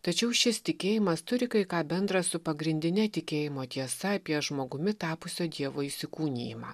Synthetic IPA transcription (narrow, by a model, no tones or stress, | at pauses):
t̪ɐt͡ʃʲɛʊʃʲɪst̪ʲɪkʲeːjɪmɐst̪ʊɾʲɪkɐɪkɑːbʲɛnd̪ɾɐssʊpɐɡɾʲɪnʲd̪ʲɪnʲɛt̪ʲɪkʲeːjɪmoːt̪ʲiɛsɐɐpʲiɛʒmoːɡʊmʲɪt̪ɑːpʊsʲoːd̪ʲiɛʋoːiːsʲɪkuːnʲḛːjɪmɑ̰ː